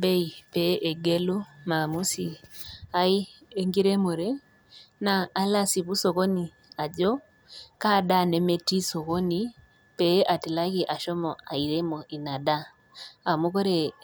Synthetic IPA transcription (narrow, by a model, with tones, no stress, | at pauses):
be˦i˨pe˨˦ʔe˨ɡe˦lo˦ma˨mu˦si˨a˦i˦ | e˦ŋɡi˦ɾe˦mo˨ɾe˦ | naː˨˦la˦si˨βu˦so˨ɣo˦ni˨ | a˨d͡ʒɔ˦ | ka˦˨da˦˨ne˨me˦ti˦so˨ko˦ni˨ | pe˨˦ʔa˨ti˨la˦ɣi˨ʔa˨ʃɔ˦mɔ˨a˨i˨ɾe˦mo˨ʔi˨na˨daː˦˨ | mo˦ko˦ɾe˨